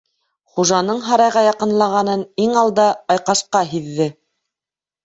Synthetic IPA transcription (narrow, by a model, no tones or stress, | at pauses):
χuʒɑnɤɴɦɑɾɑjʁɑjɑqɤ̆nlˠɑʁɑnɤniŋɑlˠd̪ɑɑjqɑʃqɑɦiðːɘ